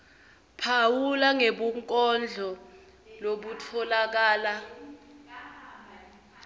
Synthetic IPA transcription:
pʰawulaŋeɓuŋkʼɔnd͡ɮʱɔ | loɓutʰɔlak̬aːla

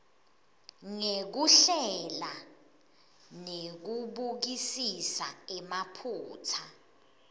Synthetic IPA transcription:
ŋek̬uɬɛla | nek̬uɓuk̬isisa̰ɛmapʰuːtʰa

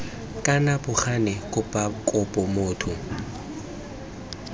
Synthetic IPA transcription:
kʼanabʊχanɪkʼʊpʼakʼʊpʼɔmoːtʰʊ

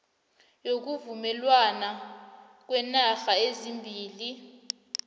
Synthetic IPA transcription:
jok̬uvumɛlwana | k̬wɛnaxaezimbʱiːli

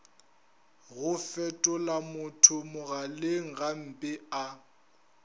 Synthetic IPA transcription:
ɣʊfɛtʼʊlamʊtʰʊmʊɣalɪŋ̩ɣam̩pʼɪa

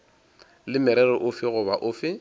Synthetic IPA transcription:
lɪmɪɾɛrɔʔʊfɪɣʊbaʔʊːfɪ

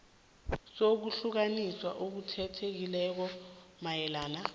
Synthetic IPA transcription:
sok̬uɬuk̬aniswaʔok̬utʰɛtʰek̬ilɛk̬ɔmajɛlaːna

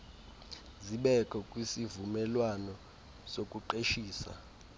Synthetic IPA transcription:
ziɓɛkʰʼɔkʼwisivumɛlwanɔ | sokʼuǃeʃiːsa̰

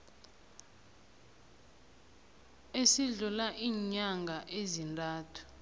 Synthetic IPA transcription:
esiɮulaʔiːɲaŋɡʱaʔezintʼaːtʰu̥

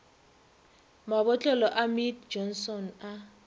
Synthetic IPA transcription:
maɓɔt͡ɬʼɔlɔʔamitd͡ʒɔnsɔna

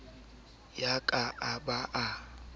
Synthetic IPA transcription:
jakʼaʔabaʔa

